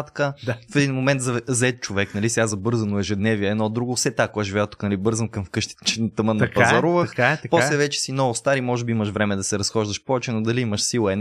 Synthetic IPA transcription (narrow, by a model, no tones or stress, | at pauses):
t̪kəafɛd̪inmomɛnt̪zɐzɐɛt̪̚t͡ʃovɛknɐlisɛazɐbɤɾzənoɛʒɛd̪nɛviɛɛd̪nɔd̪ɾuɡofsɛt̪akoaʒivɛət̪u̥knɐlibɤɾzənkəmfkɤʃt̪i̥t̪t͡ʃɛnɐt̪əmənkpɐzɐɾuvəxkapɔslɛvɛt͡ʃɛ̥sinɔvost̪aɾimɔʒɛbiiməʃvɾɛmɛd̪ɐsɛɾɐsxɔʒd̪əʃpɔvɛt͡ʃɛnod̪ɐliiməʃsilˠəɛ